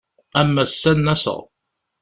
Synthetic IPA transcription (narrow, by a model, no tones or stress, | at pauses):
æmːæsːænːæsə̰ʁ